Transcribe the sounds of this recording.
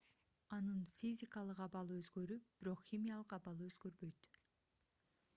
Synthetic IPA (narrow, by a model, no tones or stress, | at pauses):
ɑnɯnfʲizʲɪkɑlˠɯqɑβɑlˠɯøzɡøɾyb̥iɾo̞qxʲimʲijalˠɯqɑβɑlˠɯøzɡøɾbø̞jt̪